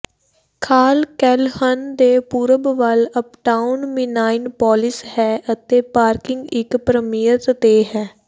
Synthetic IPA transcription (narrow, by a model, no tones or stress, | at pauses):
kʰaːlkɛːlhənd̪eːpuːɾəbʋələpʈaːʊnʋɪnaːɪnpɔːlɪshɛːʔət̪eːpaːɾkɪŋɡɪkpɾəmiːjət̪t̪eːɦɛː